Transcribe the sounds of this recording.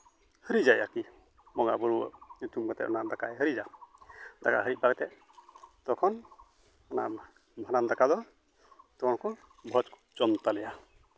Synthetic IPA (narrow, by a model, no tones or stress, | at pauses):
həɾid͡ʒajaki | mɔŋa̰bɔɽṵut̪umkat̪ɛ̰ʔɔ̰nand̪akajɦəɾid͡ʒa | d̪aka̰ɦəɾiʔ̚baɡɛt̪ɛ | d̪̥ɔkʰɔn | ɔna̰ | bʱanand̪akad̪ɔ | t̪ɔkʰɔnkɔ | bʱɔt͡ʃk | d͡ʒɔnt̪alɛja